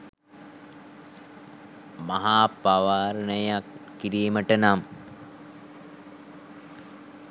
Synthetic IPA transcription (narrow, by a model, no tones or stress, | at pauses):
maɦaːpaʋaːɾnəjakː | iɾiːməʈənam